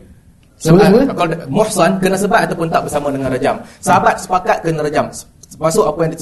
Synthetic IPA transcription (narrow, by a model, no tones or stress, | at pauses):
səkamʊħsankənasəbat̪at̪awpʊnt̪aʔ̚bəsamãdəŋãnrad͡ʒamsəɦabat̪̚sə̥pakat̪̚kənaɾad͡ʒam | pasʊkapəjɛnt̪ə